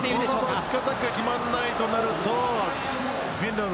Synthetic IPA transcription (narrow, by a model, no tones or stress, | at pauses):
onnoikːat̪akakʲimanːait̪o̞naɾɯt̪o | wĩnd̪o